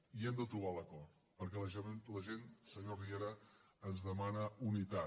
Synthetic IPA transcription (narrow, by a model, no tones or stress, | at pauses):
iɛmd̪ət̪ɾuβaləkɔt | pəɾkɛləʒnləʒensəɲorieɾəː | nzðəmanəunit̪a